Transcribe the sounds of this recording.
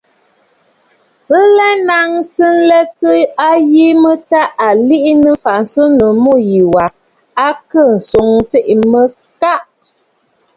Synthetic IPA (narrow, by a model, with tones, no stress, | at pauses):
pə˦lɛ˦na˨˦ŋsɨ˦n̩˦lɛ˦tə˦a˦ji˦mə˦ta˦a˨li˦ʔi˦nə˦fa˨ʔn̩˨sɨ˦nə˨mo˦˨ji˨wa˨ | a˦kə˦˨n̩˨so˨˦ŋte˦˨ʔmə˦ | ka˦ʔ